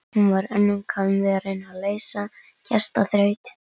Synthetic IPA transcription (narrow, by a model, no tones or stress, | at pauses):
hunvaɾɛnːʏmkʰaʏmvɛɾɪnaðleːjsa | cʰɛst̪aθɾœːɥt̪